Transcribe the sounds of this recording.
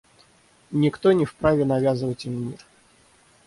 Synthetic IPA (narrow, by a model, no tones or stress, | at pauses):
nʲikt̪ɔnʲɛfpɾavʲɛnavʲazɨvɐt͡sʲimmʲir